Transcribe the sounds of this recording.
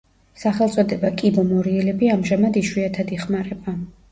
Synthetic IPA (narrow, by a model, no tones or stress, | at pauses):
saχɛlˠt̪sʼɔd̪ɛbakʼibɔmɔɾiɛlɛbiamʒamad̪iʃwiat̪ʰad̪iχmaɾɛba